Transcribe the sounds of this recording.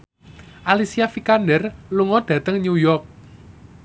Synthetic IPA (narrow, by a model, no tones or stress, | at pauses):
ʔalisiafikandərluŋɔd̥ä̤t̪əŋɲujɔrk̚